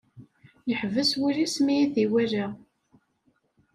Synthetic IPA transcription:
jəħvəswilismijiθiwæɾa

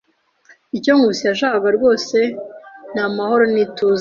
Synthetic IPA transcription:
icoŋɡusijaʃ̬aːβaɾɡo̞ːse̞n̥amaho̞ɾo̞nituːz

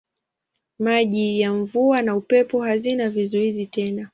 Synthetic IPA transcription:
maʄijaɱvuanaupɛpɔɦazinavizuizitɛna

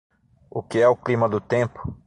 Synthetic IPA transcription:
ʊkɪɛʊklimɐd̪ʊt̪ẽpʊ̥

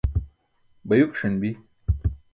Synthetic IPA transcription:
bɐjukʂɐnbi

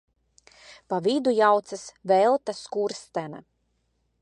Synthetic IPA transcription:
pavʲid̪ujawt̪sasvɛlˠt̪askuɾst̪ɛna̰

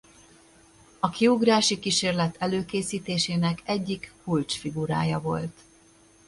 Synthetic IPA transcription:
ɒkiuɡraːʃikiʃeːrlɛt̪ʰɛløːkeːsiːt̪eːʃeːnɛkɛɟːikkult͡ʃfiɡuɾa̰ːjɒvo̞̰lt̪

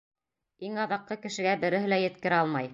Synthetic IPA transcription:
iŋɑðɑqːɤkɘ̆ʃɘ̆ɡæbɘ̆ɾɘ̆ɦɘ̆læjɘ̆t̪kɘ̆ɾɘɑlˠmɑj

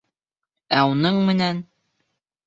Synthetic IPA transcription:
æunɤɴmɘ̆næn

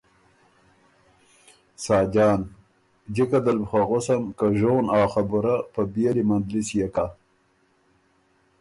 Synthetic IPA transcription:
sɑːd͡ʒɑːn | d͡ʒikad̪albxaɣosamkaʒoːnaːxabʊɾapəbelimand̪lisjeka

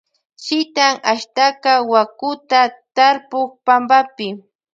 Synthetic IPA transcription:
ʃɪt̪aŋaʃt̪akawakʊt̪at̪aɾpʊk̚pambapɪ

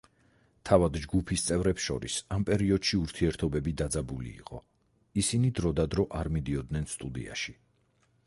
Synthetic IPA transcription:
t̪ʰavad̪d͡ʒɡupʰist̪sʼɛvɾɛpsʃɔ̰ɾḭsampʼɛɾiɔd̪̥ʃiuɾt̪ʰiɛɾt̪ʰɔbɛbid̪ad̪zabulḭːqʼɔ̰ | isinid̪ɾɔd̪ad̪ɾɔʔaɾmid̪iɔd̪nɛnst̪ʼud̪ḭa̰ʃi̥

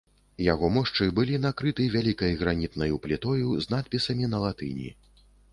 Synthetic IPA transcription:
jaɣɔmɔʂt͡ʂɨbɨlʲinakɾɨt̪ɨvʲalʲikɐjɣɾanʲit̪nɐjuplʲit̪ɔjuznat̪̚pʲisɐmʲinɐlˠat̪ɨ̰nʲḭ

